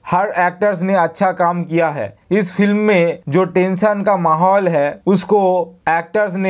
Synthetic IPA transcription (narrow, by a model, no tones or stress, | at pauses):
hɐɾɛːk̚ʈəɾs̬neɐtːʃʰakaːmkijaɦɛ̰ːɪsfɪlmːẽd͡ʒoːʈẽːnsənkamaːɦɔːlɦɛːʊskoɛːk̚ʈəɾs̬ne